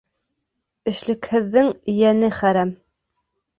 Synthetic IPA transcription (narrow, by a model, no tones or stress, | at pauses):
ɘ̆ʃlɘ̆khɘ̆ðːɘŋɘ̆jænɘχæɾæm